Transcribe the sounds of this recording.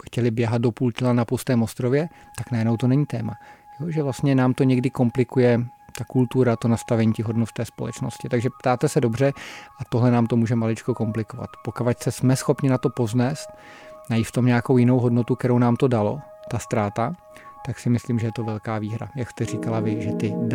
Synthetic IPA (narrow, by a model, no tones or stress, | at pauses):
xcɛlɪbjɛɦad̪̚do̞puːlcɪlanapost̪ɛːmo̞st̪ɾo̞vjɛ | t̪aknajɛdno̞wt̪o̞nɛɲiːt̪ɛːmajoʒɛvlast̪ɲɛnaːmt̪oɲɛɡdɪko̞mplɪkujɛt̪akult̪uɾat̪o̞nast̪avɛɲiːcɪɦo̞dnot̪ɛːspolɛ̰t͡ʃno̞̰scɪt̪aɡʒɛpt̪aːt̪ɛsɛdo̞br̝ɛʔat̪o̞ɦlɛnaːmt̪omuːʒɛmalɪt͡ʃkoko̞mplɪko̞va̰t̪pokavacsɛsmɛsxo̞pɲɪnat̪o̞po̞znɛːst̪̚ | najiːt̪ft̪o̞mɲɛakowjɪnowɦo̞dnot̪uk̪ɛɾownaːmt̪o̞dalo̞̰ | t̪ast̪ɾaːt̪a | t̪aksɪmɪslimʒɛjɛt̪o̞vɛlkaːviːɦɾa̰jakst̪ɛriːkalavɪʒɛt̪ɪ